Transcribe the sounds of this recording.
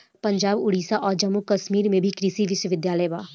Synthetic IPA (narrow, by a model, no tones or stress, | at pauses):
pə̃ɲd͡ʒaːbʊɽiːsaʔɔːɾd͡ʒɐmːukəʃmiːɾmẽbʱikɾisiʋɪʃwəʋɪd̪jaːləjba̰ː